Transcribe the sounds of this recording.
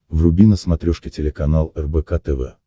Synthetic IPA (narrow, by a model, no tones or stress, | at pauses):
vrʊbʲinəsmɐt̪ɾʲoʂkʲɪtʲɪlʲɪkɐnalˠɛrbɛkat̪ɛvɛ̰